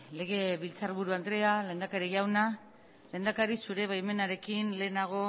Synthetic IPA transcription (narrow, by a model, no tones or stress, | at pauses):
le̞ɣ̞e̞βilt͡sarβuɾuand̪ɾe̞ale̞ːnd̪akaɾiʝawna | le̞nd̪akaɾisuɾe̞βajme̞naɾe̞kinle̞ːnaɣ̞o̞